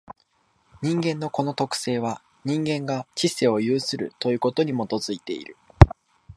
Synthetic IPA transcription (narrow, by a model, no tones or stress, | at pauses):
ɲ̟ĩŋɡẽ̞nːo̞ko̞no̞t̪o̞kɯ̟̥se̞ːβ̞a | ɲ̟ĩŋɡẽ̞ŋɡat͡ɕise̞o̞jɯːsɨɾɯ̟̰t̪o̞jɯ̟ːko̞t̪o̞ɲ̟imo̞t̪o̞zɨit̪e̞ḭɾɯ̟